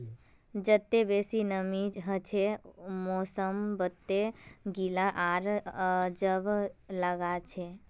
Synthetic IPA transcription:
d͡ʒət̪ːebeːsinəmid͡ʒɦət͡ʃʰemosəmbət̪ːeɡilaʔaɾd͡ʒəbʱləɡat͡ʃʰe

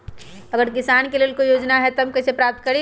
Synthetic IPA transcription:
ɐɡəɾkɪsaːnkeleːlkoijoːd͡ʒnaɦɛt̪ɐmkɐsepɾaːp̚t̪kɐɾe

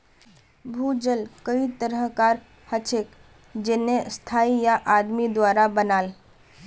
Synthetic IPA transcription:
bʱuːd͡ʒəlkəit̪əɾəɦkaːɾ | hət͡ʃʰek | d͡ʒenest̪ʰaːijaʔad̪mid̪waːɾabənaːl

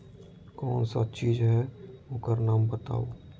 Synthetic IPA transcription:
kɔːnsat͡ʃiːd͡ʒɦɛoːkəɾnaːmbət̪a̰ːoː

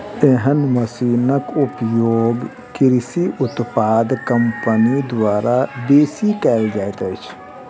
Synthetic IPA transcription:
eɦənməsiːnəkʊpjoːɡ | kɪɾɪsiʔʊt̪paːd̪kəmpənid̪ʋaːɾab̪eːsikɛːld͡ʒaːet̪ət͡ʃʰ

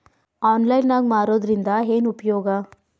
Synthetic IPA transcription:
aːnlɐjnːaːɡmaːɾoːd̪ɾind̪ɐɦeːnupɐjoːɡɐ

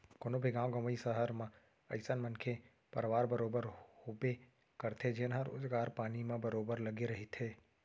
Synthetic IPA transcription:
konobʱiɡãːwɡɐmisəɦəɾmã | ɐɪsənmənkʰe | pɐɾʋaːɾbəɾoːbəɾhoːbe | kɐɾt̪ʰed͡ʒɪnɦəɾo̰ːd͡ʒɡaːɾpaːnimãbəɾoːbəɾlɐɡeɾɐɦit̪ʰɦeː

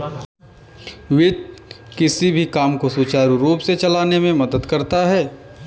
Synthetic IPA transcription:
ʋɪt̪̚kɪsibʱikaːmkosuːt͡ʃaːɾɾuːpset͡ʃɐlaːnemẽmɐd̪əd̪kɐɾt̪aɦɛː

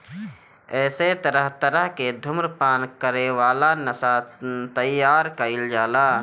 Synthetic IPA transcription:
ɛːset̪əɾəɦt̪əɾəɦked̪ʱʊmɾpaːnkəɾeʋaːlanəsat̪əjːaːɾkəɪld͡ʒaːla

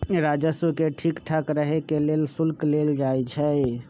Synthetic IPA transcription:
ɾad͡ʒəsukeʈʰikʈʰəkɾəɦekelelsʊlkleld͡ʒajt͡ʃʰɛ

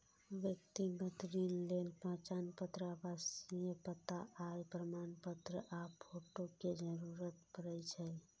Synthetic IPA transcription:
ʋjək̚t̪iɡət̪ɾinlelpə̃ːt͡ʃanpət̪ɾəaʋasijəpət̪aʔajpɾəmanpət̪ɾəʔapʰoʈoked͡ʒəɾuɾət̪pəɾɛjt͡ʃʰɛj

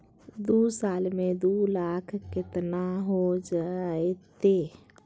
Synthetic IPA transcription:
d̪usaːlmẽd̪ulaːkʰkɪt̪naɦod͡ʒaet̪e

